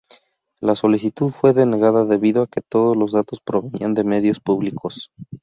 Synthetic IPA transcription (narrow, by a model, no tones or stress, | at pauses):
laso̞lisit̪uðfwe̞ðe̞ne̞ɣaðaðe̞βiðoake̞t̪o̞ðo̞zlo̞zðat̪o̞spɾo̞βe̞niand̪e̞me̞ðjo̞spuβlikʰo̞s